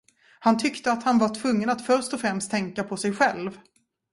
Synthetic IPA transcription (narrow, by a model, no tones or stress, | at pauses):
hant̪ʰʏkt̪əat̪hanvaʈʰvɵŋːənat̪fœɾʂtɔfɾɛmst̪ʰːɛŋkapʰɔsɛjɧɛlv